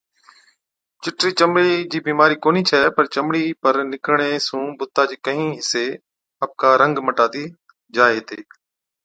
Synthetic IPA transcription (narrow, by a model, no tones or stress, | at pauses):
t͡ʃɪʈɾiːt͡ʃəmɽiːd͡ʒiːbiːmaːɾiːkoːniːt͡ʃʰəepəɾt͡ʃəmɽiːpəɾnɪkɳ̃eːsũːbʊt̪ːaːd͡ʒiːkəɦĩːɦɪseː | əp̚kaːɾə̃ŋɡməʈaːt̪iː | d͡ʒaːeɦt̪eː